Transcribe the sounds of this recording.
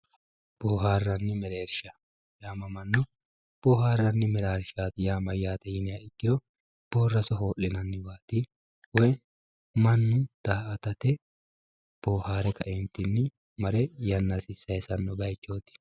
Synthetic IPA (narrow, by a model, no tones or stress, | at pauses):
b̥oːɦaːrːɐnːɪmɛɾe̞ːɾʃɐ | jaːmɐmɐnːʊ | b̥oːɦaːrːɐnːɪmɛɾaːɾʃaːt̪ɪjaːmɐjaːt̪ɛjɪnɪjaɪkːɪd̪ɔ | b̥oːrːɐsɔɦo̞ːlːɪnɐnːɪwaːt̪ɪ | wɔj | mɐnːʊd̪̥aːʔɐt̪ɐt̪ɛ | b̥oːhaːɾɛkɐʔeːnt̪ːɪnːɪ | mɐɾɛjɐnːɐsɪsɐjsɐnːɔbɐjt͡ʃːo̞ːt̪ɪ̥